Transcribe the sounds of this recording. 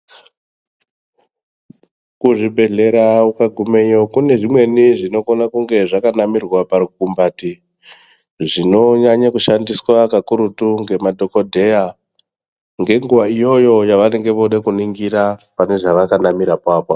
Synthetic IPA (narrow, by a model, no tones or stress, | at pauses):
kuʐibʱe̞ɮe̞ɾaukaɡʱume̞jokune̞ʐimwe̞niʐino̞konakuŋɡe̞ʐakanamirwapaɾikumbaːti | ʐino̞ɲaɲakuʃandiswakakuɾutuŋɡe̞madʱo̞ko̞dʱe̞ja | ŋɡe̞ŋɡuʋaijo̞jo̞jaʋane̞ŋɡe̞ʋoɗekuniŋɡiɾapane̞ʐaʋakanamiɾapaːpa